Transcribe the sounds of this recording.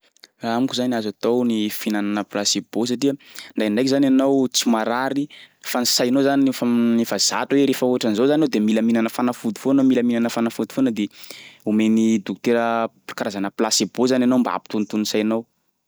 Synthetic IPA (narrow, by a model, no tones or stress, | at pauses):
raamikuzaniazat̪ownifinananəplaseb̥os̬aʈ͡ʂiəɳɖ͡ʐajɳɖ͡ʐajkizananawt͡simaɾaɾifanisajnozaniifanefaz̥a̰tuweɾefauaʈ͡ʂanizowzannowd̪emiləminanəfanafud̪ifonomiləminanəfanafud̪u̥fonəd̪eumenid̪uk̚t̪eɾə̥ | kaɾazanəplasebozananowmbaa̰pi̥t̪unt̪unsajnow